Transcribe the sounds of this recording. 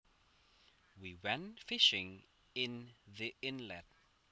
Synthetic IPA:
wiwɛ̃nfɪʃɪ̃ŋ | ɪ̃nðiɪ̃nlɛt̚

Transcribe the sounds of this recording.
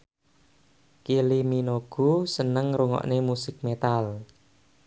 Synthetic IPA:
kiliminoɡ̥ṳsənəŋɾuŋɔ̰ʔnemusɪk̚met̪al

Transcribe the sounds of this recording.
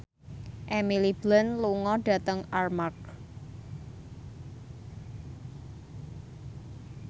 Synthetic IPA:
ʔɛmilib̥lənluŋɔɖ̥a̤t̪əŋarmak̚

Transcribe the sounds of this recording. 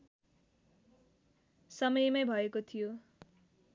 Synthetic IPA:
sʌmʌjmajbʱʌekot̪ʰijo

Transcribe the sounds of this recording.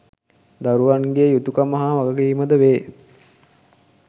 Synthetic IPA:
d̪aɾuʋaŋɡeːjut̪ukamaɦaʋaɡəɡiːməd̪əʋeː

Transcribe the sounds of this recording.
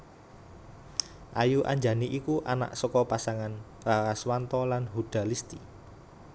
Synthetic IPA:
ʔajuʔa̰ɲd͡ʒa̤niʔikuʔana̰ʔsɔkɔpasaŋan | raɾaswant̪ɔlanɦud̪̥a̤list̪i

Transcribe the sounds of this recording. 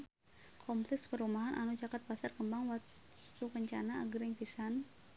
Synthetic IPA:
kʰɔmplɛkspəɾumaɦanʔa̰nud͡ʒakat̪̚pasarkəmbaŋwa | t̪ukəɲt͡ʃanaːɡəɾɪŋpisan

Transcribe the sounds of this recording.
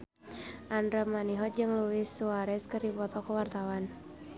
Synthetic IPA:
ʔandɾamaniɦɔt̪̚d͡ʒɨŋluwɪsuaɾɛskərdipɔt̪ɔkəwart̪awan

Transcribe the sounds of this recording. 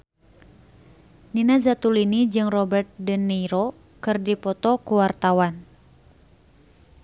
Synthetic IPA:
ninazat̪ulinid͡ʒɨŋrɔbɛrt̪̚dənːɛiɾo | kɨrdipɔt̪ɔkuwart̪awan

